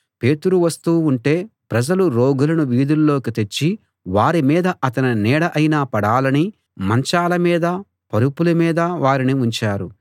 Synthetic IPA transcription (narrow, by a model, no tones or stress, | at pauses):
pe̞ːt̪uɾuʋɐst̪uːuɳʈe̞ːpɾɐd͡ʒɐluɾoːɡulɐnuʋiːd̪ulːo̞ːkit̪e̞t͡ʃːi | ʋaːɾimiːd̪ɐʔɐt̪ɐninɛːɽɐʔɐjnaːpɐɽaːlɐni | mɐɲt͡ʃaːlɐmiːd̪ɐ | pɐɾupulɐmiːd̪ɐʋaːɾiniuɲt͡ʃaːɾu